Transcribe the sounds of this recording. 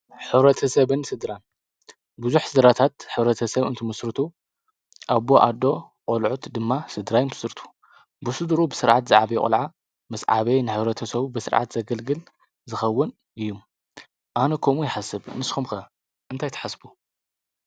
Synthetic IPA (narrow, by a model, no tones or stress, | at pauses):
ħɨβɾɐt̪ʰɐsɐβɨnsɨd̪ɾan | bɨzuħsɨd̪ɾat̪ʰat̪ħɨβɾɐt̪ʰɐsɐβɨ̰nt̪ʰɨmɐsɾɨt̪ʰu | ʔaβoʔad̪o̞ | qʼolʕut̪d̪ɨmːasɨd̪ɾajnbʰɨ̥sɾɨt̪ʰu̥ | bɨsɨd̪ɾubɨsɨɾʕat̪zɨʕabɐjɛkʼɐ̰lʕa | mɨsʕa̰βejnɨħɨβɾɐt̪ʰɐsɐβbɨsɨɾʕa̰t̪zɐɡɐlɡɨl | zɨxɐwːɨn | ʔɨjːum | ʔanɐkʰomujɪħasːɨbnɨsxumxɐ | ʔɨnt̪ʰajt̪ʰɐ̥ħasbu